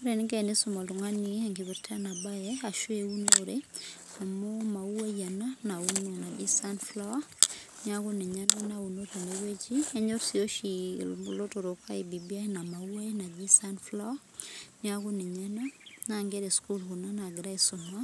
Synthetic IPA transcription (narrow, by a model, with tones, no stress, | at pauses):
u˦ɾe˨niɡɛ˦ni˦su˦ma˨lu˨ŋa˦niɛŋɡi˨βi˨ɾtʰa˦na˨ba˦jɛa˨ʃweu˦no˦ɾe˦ | na˨moma˨ua˦ja˨na˦na˨u˦nmo˨na˨ɡi˦sa˦nfla˦wa˦ | nɪ˦a˦ɡu˦ni˨ɲa˦na˦na˨u˨no˦ɾe˨ne˨we˦d͡ʒi˦e˦ɲo˦ɾsio˦ʃilo˦to˨ɾo˨kʰa˦i˨bi˨bi˦a˦jna˨ma˨u˦a˦ina˨ɡi˦sa˦nfla˦wa˦ | ni˦a˦ɡu˦ni˨ɲa˦na˦naŋɡe˦ɾe˨sku˦lhu˨na˦na˨ɡɾa˦isʊ˨ma˦